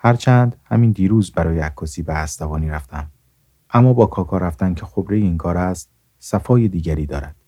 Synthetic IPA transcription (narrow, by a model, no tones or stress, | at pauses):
hæɾt͡ʃʰænd̪hæ̰miːnd̪iːɾuːzbæɾɒːjeækʰːɒːsiːbeæst̪ævɒːniːɾæft̪æm | ʔæmːɒːbɒːkʰɒːkʰɒːɾæft̪æncʰe̞xo̞bɾejeiːŋkʰɒːɾæst̪̚ | sæfɒːjed̪iːɟæɾiːd̪ɒ̰ːɾæ̰d̪̥